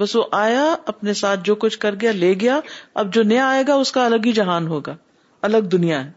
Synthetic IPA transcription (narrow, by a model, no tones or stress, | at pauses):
bɐsʋoʔaːjaɐpnesaːt̪̚ʰd͡ʒoːkʊt͡ʃʰkɐɾɡɪjaleːɡɐjaːɐ̰b̚d͡ʒoːnɐjaːeːɡaʊskaɐləɡid͡ʒɐɦaːnɦoːɡaː | ɐləɡ̚d̪ʊnijaɦɛː